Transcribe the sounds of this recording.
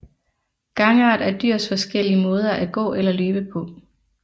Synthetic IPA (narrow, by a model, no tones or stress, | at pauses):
ɡ̥ɑ̈ŋɑ̈ːd̥æɐd̥yɐ̰sfɒ̽sɡ̥el̰iəmɔ̽ːð̞ˠɐʔæɡ̥ɔ̰̽ːelɐløːb̥əpʰɒ̽